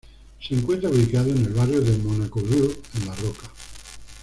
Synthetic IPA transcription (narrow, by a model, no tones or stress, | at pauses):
seŋkwe̞nt̪ɾauβlikaðoene̞lβarjoðe̞monakoβuenlaroka